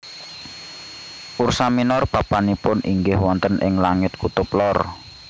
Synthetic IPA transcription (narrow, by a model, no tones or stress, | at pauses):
ʔursaminɔrpapanipʊnʔiŋɡɪhwɔnt̪ənʔɪ̰ŋlaŋɪt̪̚kut̪ʊplɔr